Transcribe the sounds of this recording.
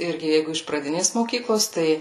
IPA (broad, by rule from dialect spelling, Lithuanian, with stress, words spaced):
ˈɪrʲɡʲɪ ˈjɛɪɡʊ ɪʃ prɐˈdʲɪnʲeːs moːˈkʲiːklˠoːs ˈtɐɪ